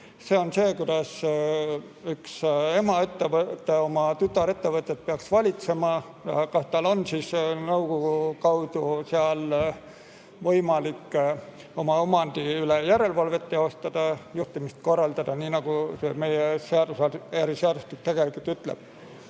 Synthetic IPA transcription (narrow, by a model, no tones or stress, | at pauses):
se̞ːo̞nse̞ːkud̪̥ɑs | ykse̞mɑet̪ːevt̪ːeo̞mɑt̪yt̪ɑɾe̞t̪ːe̞vɤt̪ːˑe̞t̪̚peɑksvɑlʲit̪se̞mɑ | jɑkɑst̪ɑlo̞nsiːsnɤwkoɡukɑwd̪̥useɑl | vɤjmɑlikː | o̞mɑomɑnd̪̥iylejæɾe̞lvɑlve̞t̪ːˑeo̞st̪ɑd̪̥ɑjuht̪imist̪̚ko̞rːɑld̪̥ɑd̪̥ɑniːnɑɡ̥useme̞jeseɑd̪̥usɑæɾiseɑd̪ust̪ik̪t̪e̞ɡ̥e̞likult̪yt̪ˑlḛb̥̚